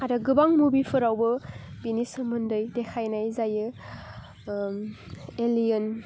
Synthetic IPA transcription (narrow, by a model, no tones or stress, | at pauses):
aɾɯɡɯbaŋmubipʰɯɾawbɯbinisɯmɯndɯjdekʰajnajzajɯ | elijən